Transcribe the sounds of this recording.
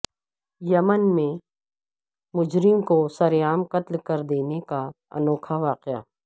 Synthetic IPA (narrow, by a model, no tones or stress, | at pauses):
jɐmənmẽ | mʊd͡ʒɾɪmkosɐɾjaːmqɐt̪lkɐɾd̪eːneka | ɐ̰nɔːkʰaʋaːqɪja̰ː